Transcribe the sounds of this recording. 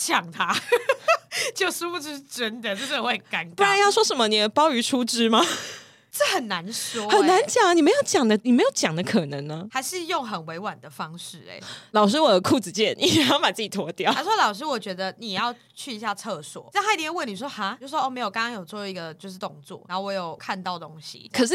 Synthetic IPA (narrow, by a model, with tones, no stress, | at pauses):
t͡ɕʰjɑ˨˩ŋt̪ʰa˦˥ | t͡ɕjo˥˩ʊʂu˥fu˥˧ʂ̩˥˧ʂ̩˥˨ʈ͡ʂə˦nd̪ə˨ʈ͡ʂə˥˩˨we˥˩ɪka˧˥npu˥˩a˧˦njɑ˥˩ʊʂwɔ˥ʂə˧˥mə˧ni˨˩˨pɑ˥ʊy˧˥ʈ͡ʂʰu˥ʈ͡ʂɻ̩˥ma˦ | ʈ͡ʂə˥˩xə˨˩nna˧˦nʂwɔ˥hə˨nna˧˦nt͡ɕjɑ˨˩ŋ˦ni˨˩me˧˥ɪjo˨˩ʊt͡ɕjɑ˨˩ŋd̪ə˦ni˨˩me˧˥ɪjo˨˩ʊt͡ɕjɑ˨˩ŋd̪ə˦kʰɤ˨˩nɤ˧˦ŋnə˧˦ha˧ɪʂɻ̩˥˧jo˥˨˩ŋɦə˨˩nwe˧˥ɪwa˨˩nd̪ə˩fɑ˦ŋʂɻ̩˥˩ḛ˨˩˦lɑ˨˩ʊʂ̬ɻ̩˥wɔ˨˩d̪ə˦kʰu˥˩t͡sɹ̩˨˩t͡ɕjɛ˥˩ni˨˩˨jpa˨˩t͡sɨ˥˩t͡ɕi˨˩wɔ˧˥t̪jɑ˥˨ʊa˧˥ʂwɔ˥lɑ˨ʊʂ̬ɻ̩˥wɔ˨˩t͡ɕɥɛ˧˥d̪ə˧ni˨˩˨jɑ˥˧ʊ | t͡ɕʰy˥˩i˧ɕ̬ja˥˧t͡sʰɤ˥˧swɔ̰˨˩˦a˥˩a˥i˥˧jɛ˦˥˦wə˥˨˩ni˨˩ʂwɔ˥ha˧˦jo˥˧ʂ̩˥˧˩wo˦˥o˥˧me˧˥jo˨˩kɑ̃˥ŋkɑ˥ŋjo˨˩ʊt͡swɔ˥˩i˧ɡə˨t͡ɕjo˥˧ʊʂɻ̩˥˩t̪o˥˧ŋt͡swɔ̰˥˩na˨˧˦xo˥˧wo˧jo˨˩ʊkʰa˥˧nt̪ɑ˥˨˩ʊt̪o˦˥ŋɕḭ˨˩kʰə˨˩ʂ̬ɻ̩˥˩